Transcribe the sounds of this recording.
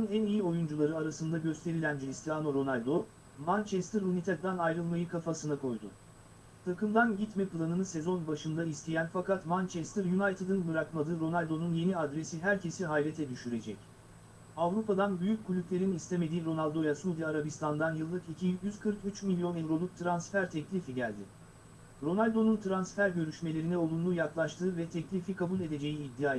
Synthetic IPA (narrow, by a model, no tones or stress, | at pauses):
unænijio̞jund͡ʒulˠaɾɯaɾasɯnd̪aɟø̞st̪ʰe̞ɾilʲænd͡ʒɾist̪iano̞ɾo̞nalʲd̪o̞ | mant͡ʃɛst̪ʰɯɾunit̪ʰɛd̪anajɾɯlˠmajɯkʰafasɯnakʰo̞jd̪ʊ̰ | t̪ʰakɯmd̪anɟit̪mɛpʰlˠanɯnɯse̞zo̞nbaʃɯnd̪aist̪ʰejænfakat̪mant͡ʃʰɛst̪ʰɯɾjunajt̪ʰɯd̪inbɯɾakmad̪ɯːɾo̞nalʲd̪o̞nunje̞niad̪ɾe̞siɦæɾcʰe̞siɦajlʲe̞t̪ʰɛd̪yʃyɾe̞d͡ʒɛc | avɾupad̪anbyjyc̚ʲkulʲyplʲe̞ɾinist̪ʰe̞me̞d̪iːɾo̞nalʲˠd̪o̞jasuːd̪ijaːɾabist̪ʰand̪anjɯlˠːɯkicʰijjyz̥kʰɯɾkyt͡ʃmilʲjo̞nɛvɾo̞lˠuk̚t̪ʰɾansfæɾt̪ʰɛclʲifiɟælʲd̪ɪ | ɾo̞nalʲd̪o̞nunt̪ʰɾansfæɾɟø̞ɾyʃme̞lʲe̞ɾinɛo̞lˠunlˠuːjaklˠaʃt̪ʰɯːvɛt̪ʰɛclʲifikʰabulʲe̞d̪e̞d͡ʒe̞jiːd̪ːiaː